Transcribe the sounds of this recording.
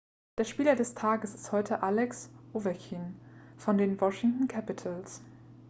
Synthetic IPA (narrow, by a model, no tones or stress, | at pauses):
d̥eːɐʃpiːlɐdɛstʰaːɡəsɪ̥sthɔʏtʰəʔalɛksʔoːvɛɐçʰiːnfɔndeːnwɔʃɪŋtn̩kʰæpɪtʰəls